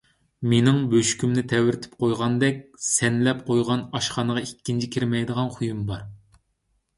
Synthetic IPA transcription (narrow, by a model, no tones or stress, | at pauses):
menɪŋbøʃkʲymnɪt̪ʰɛwɪɾɪt̪ʰɪ̥p̚qʰojʁɑnd̪ɛk̚ʲsɛnlɛp̚qʰojʁɑnɑʃχɑnəʁɑikʲːint͡ʃʰikʲʰiɾmɛjd̪əʁɑnχʰujumbɑɾ